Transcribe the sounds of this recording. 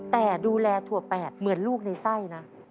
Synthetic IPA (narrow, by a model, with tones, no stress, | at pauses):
t̪ɛː˨˩duː˧lɛː˧t̪ʰu˨˧˩ɐpɛː˨˩t̪̚mɯ˩˦ənluː˥˩k̚na˧jsa˥˩jna˦˥